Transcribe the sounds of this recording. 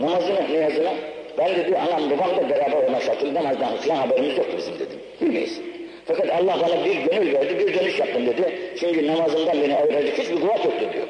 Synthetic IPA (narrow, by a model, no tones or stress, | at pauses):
namazɯmnɛjazɯna | bænd̪e̞d̪iʔanamɾubaqd̪abɛɾaːbæɾolˠmaʃat̪ʰɯlˠd̪amazd̪anfilʲanhabɛɾimizjok̚t̪ubizimd̪ḛd̪imbilʲmḛjḭsi̥n | fakat̪ɑlˠːɑht̪ʰaːlˠabiɾɟønylʲvæɾd̪ibiɾd̪ø̞nyʃjap̚t̪ɯmd̪ed̪it͡ʃʰyɲcʰynamazɯmd̪anbeniajɾaɾd̪ihit͡ʃbiɾɡulˠat̪jok̚t̪ud̪ḭjo̰